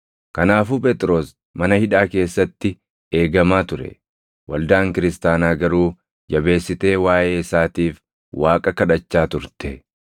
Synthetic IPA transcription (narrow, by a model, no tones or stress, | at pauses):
kɐnaːfuːpʼɛt̪ʼɾo̞ːs | mɐnɐhɪᶑaːke̞ːsːɐt̪ːɪ | e̞ːɡɐmaːt̪ʊɾɛ̰ | wʔɐld̪aːŋkɪɾɪst̪aːnaːɡɐɾuː | d͡ʒɐbe̞ːsːɪt̪e̞ːwaːʔeːɪsaːt̪iːf | waːkʼɐkɐᶑɐt͡ʃːaːt̪ʊɾt̪ɛ